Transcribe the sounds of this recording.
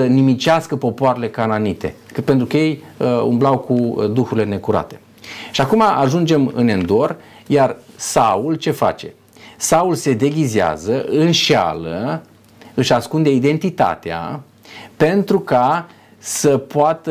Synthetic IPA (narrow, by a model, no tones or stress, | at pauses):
ənimit͡ʃaskəpo̞poaɾe̞le̞kananit̪e̞̰ | pe̞nt̪ɾukəje̞j | ṵmblawkud̪uxuɾilene̞kuɾa̰t̪e̞̥ | ʃiakumaʔaʒund͡ʒe̞mɨ̰ne̞nd̪o̞r | jarsault͡ʃe̞fa̰t͡ʃe̞ | saulse̞d̪e̞ɡʲizea̰zəɨnʃa̰lə | ɨʃaskund̪e̞id̪e̞nt̪it̪a̰t̪ea̰ | pe̞nt̪ɾuka | səpoat̪ə